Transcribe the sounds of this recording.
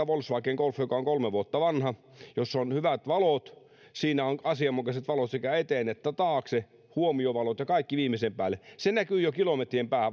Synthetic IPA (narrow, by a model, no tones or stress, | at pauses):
æʋolsʋɑˑkːeŋɡ̥olfjokɑoŋkolmeʋuot̪ːɑʋɑnhɑ | josːonhyʋæt̪ʋɑlot̪ | siːnæonɑsiɑmːukɑset̪ʋɑlot̪sekæet̪eːˑnet̪ːæt̪ɑːkse | huomioʋɑlot̪jɑkɑikːiʋiːmisempæːlːˑesenækyːjokilomet̪riempæːhæ